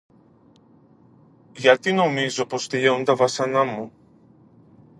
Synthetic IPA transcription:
jat̪inomizɔpɔst̪ejɛwnd̪avasanamu

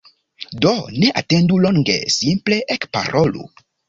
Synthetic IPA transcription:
done̞ʔa̰te̞nduloŋɡe̞̰simple̞ʔekpa̰ɾʔo̞lo̰

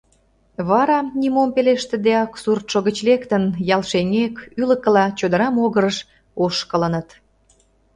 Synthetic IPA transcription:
βɑɾɑnʲimompeleʃt̪ĕd̪eɑksurt̪ʃoɣət͡ɕlekt̪ənjɑlʃeŋekylə̆kːə̆lɑt͡ɕod̪əɾɑmoɣəɾəʃ | oʃkələ̆nət̪

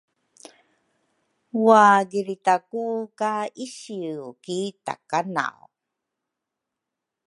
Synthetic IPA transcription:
waɡiɾitakukaiɕiukita̰kana̰w̰

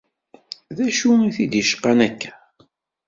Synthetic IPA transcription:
ðæʃuiθid̪jəʃqːanækːæ̥

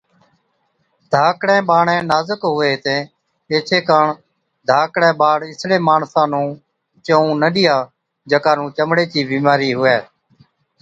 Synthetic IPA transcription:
d̪ʱaːkɽẽːɓaːɳɛ̃ːnaːzəkɦʊeːt̪ẽː | eːt͡ʃʰeːkaːɳ | d̪ʱaːkɽɛ̃ːɓaːɽɪsɽẽːmaːɳsãːnũː | t͡ʃəũːnəɗɪjaː | d͡ʒəkaːnũːt͡ʃəmɽeːt͡ʃiːbiːmaːɾiːɦʊeː

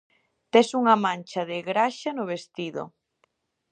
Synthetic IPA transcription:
t̪esuŋɐmant͡ʃɐðeɣɾaʃanʊβ̞est̪iðo̰

